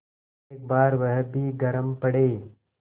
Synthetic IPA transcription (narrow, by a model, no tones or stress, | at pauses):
eːk̚baːɾʋəɦəbʱiːɡɐɾəmpɐɽeː